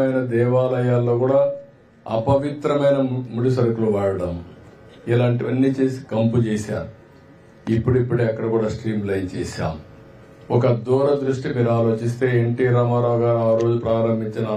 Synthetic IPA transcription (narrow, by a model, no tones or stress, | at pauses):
ɐjnɐd̪ɛːʋaːlɐjaːlːo̞ːkuːɽaː | ɐ̰pɐʋit̪ɾɐmɐjnɐmuɽusɐɾɐkuluʋaːɽɐɽɐm | ilaːɳʈiʋɐnːiːt͡ʃe̞ːsi̥kɐmput͡ʃeːsa̰ːɾu | ipːuɽipːuɽeɐkːɐɽɐkuːɽaːsʈɾiːmlɐjnt͡ʃɛ̰ːʃa̰ːmu | ɔkɐd̪uːɾɐd̪ɾuʂʈimiːɾaːlo̞ːt͡ʃis̬t̪e̞ːeɳʈiːɾaːmaːɾaːɡaːɾaːɾo̞ːd͡ʒupɾaːɾɐmbʱiɲt͡ʃinɐ